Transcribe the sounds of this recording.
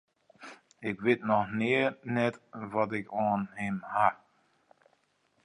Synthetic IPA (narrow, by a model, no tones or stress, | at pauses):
ɪkʋɪtnɔxnɪənɛtʋɔtɪkɔːnɦɪmha